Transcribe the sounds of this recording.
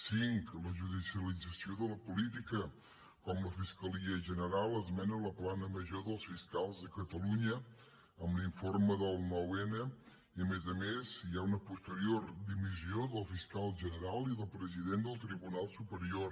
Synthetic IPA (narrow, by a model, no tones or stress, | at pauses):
siŋkləʒuðisiəlid͡zəsioðələpulit̪̬ikə | kɔmləfiskəliəʒənəɾalˠəzmɛnələplanəməʒoðəlˠsfiskalˠzðəkət̪əluɲə | əmbliɱforməðəlˠnɔwenə | iəmezəmeziaunəpust̪əɾioɾd̪imizioðəlˠfiskalˠʒənəɾalˠiðəlˠpɾəziðend̪əlˠt̪ɾiβunalˠsupəɾior